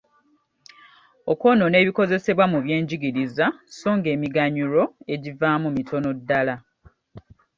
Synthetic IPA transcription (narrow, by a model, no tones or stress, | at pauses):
oko̞none̞ːβiko̞ze̞se̞βwamuβje̞ːɲɟiɡiɾizaso̞ːŋɡe̞ːmiɡaɲuɾo̞e̞ɟivaːmumitʰo̞no̞dːala